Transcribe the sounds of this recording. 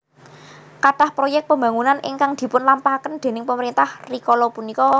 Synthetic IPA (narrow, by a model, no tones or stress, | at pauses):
kaʈahpɾojɛk̪̚pəmba̤ŋunanʔɪ̰ŋkaŋd̪̥i̤pʊnlampakənd̪̥e̤nɪŋpəməɾint̪ahrikɔlɔpunikɔ